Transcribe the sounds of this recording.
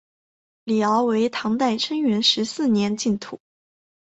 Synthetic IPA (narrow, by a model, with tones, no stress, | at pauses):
li˨˩ɑ˧˥ʊwe˧˥ɪt̪ʰɑ˧˥ŋt̪a˥˩ɪʈ͡ʂʰə˥ŋɥɛ˧˥nʂɻ̩˧˥sɹ̩˥˩njɛ˧˥nt͡ɕi˥˩nt̪ʰu˨˩˦